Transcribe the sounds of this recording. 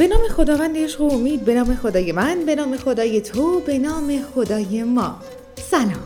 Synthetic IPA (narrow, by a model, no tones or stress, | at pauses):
b̥e̞nɒːme̞xo̞d̪ɒːvænd̪eʃoomiːd̪̚be̞nɒːme̞xo̞d̪ɒːje̞mænbe̞nɒːme̞xo̞d̪ɒːje̞t̪ʰobe̞nɒːme̞xo̞d̪ɒːje̞mɒː | sænɒːm